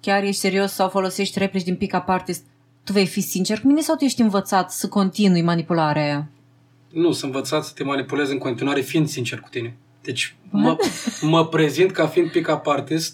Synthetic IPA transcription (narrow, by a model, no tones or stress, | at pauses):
kʲarje̞ʃt̪ʲse̞ɾio̞ssawfo̞lo̞se̞ʃt̪ʲre̞plit͡ʃʲd̪inpikapart̪est̪̚ | t̪uve̞jfisint͡ʃe̞rkumine̞sawt̪ujeʃʲt̪ʲɨnvət̪sat̪səko̞nt̪inujmanipulaɾeaja | nusənvət̪sat̪sə̥t̪e̞manipulezɨŋkont̪inuaɾe̞find̪sint͡ʃerku̥t̪ine̞ | d̪̥e̞t͡ʃʲməməpɾe̞zint̪kafiːnd̪̚pikapart̪ist̪